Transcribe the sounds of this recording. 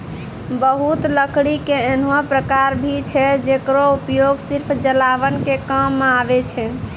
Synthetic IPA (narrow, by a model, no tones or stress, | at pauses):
bəɦut̪ləkʰɽikeenuapɾəkaɾbʱit͡ʃʰɛd͡ʒekɾoupjoɡsiɾpʰd͡ʒəlabənkekamːeabɛt͡ʃʰɛ